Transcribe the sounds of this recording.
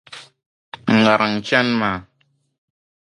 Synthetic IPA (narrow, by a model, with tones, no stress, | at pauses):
ŋ˨ɡa˨ɾʔa˨ŋ˨t͡ʃa˦nma˨